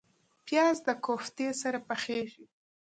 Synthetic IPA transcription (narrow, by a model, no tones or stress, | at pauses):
pjɑzd̪əkoft̪esaɾapaxeʒi